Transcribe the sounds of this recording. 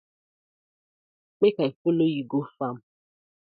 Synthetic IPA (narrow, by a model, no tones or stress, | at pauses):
k͡pekaifolojiɡofam̩